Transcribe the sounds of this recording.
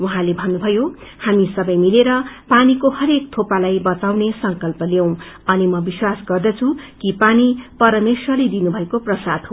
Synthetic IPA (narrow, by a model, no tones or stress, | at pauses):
uɦãlebʱʌnːubʱʌjo | hamisʌbʌjmileɾʌpanikohʌɾek̚t̪ʰopalajbʌt͡sawnesʌŋkʌlpʌljew̃ | ʌnimʌbiswasɡʌrd̪ʌt͡sʰukipanipʌɾʌmeswʌlid̪inubʱʌekoprʌsad̪ɦo